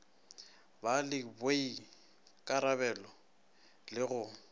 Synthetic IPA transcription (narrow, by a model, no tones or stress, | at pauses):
balɪbwei | kʼaɾabɛlɔ | lɪɣʊ